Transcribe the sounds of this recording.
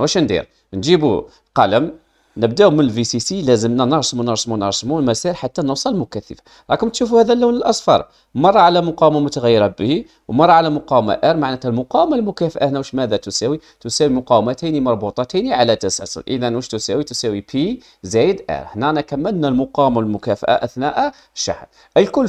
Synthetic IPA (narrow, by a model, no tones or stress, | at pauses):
wæʃnd̪ḭɾ | nʒibṵ | qɑləm | nəb̚d̪æumənəlvisisilæzəmnænəɾˤsmunəɾˤsmunəɾˤsmulmæsælħat̪ːænəwsˤɑlmʊkæθːəfḁ | ɾˤɑkəmt̪ʃufuhæd̪ælːunəlʔɑsˤfɑ̰ɾˤ | mɑrˤːɑʕalæmʊqɑwmæmʊt̪æɣæjːəɾɑbii | wmɑɾˤːɑʕalæmʊqɑwma̰ʔæɾˤmaʕnæt̪hælmʊqɑwmalmʊkæfʔahnæwəʃmæd̪æt̪usæwit̪usæwimʊqɑwmæt̪əjnimɑɾˤbut̪ˤɑt̪əjniʕalæt̪æsæ̰sə̰ɾʔḭd̪ænwəʃt̪usæwit̪usæwipʰi | zæjəd̪ʔɛ̰ɾhnænækæmːəlnælmʊqɑwmalmʊkæfʔa̰ʔæθnæʔæ | ʃa̰ħə̰n | ʔəlkʊlː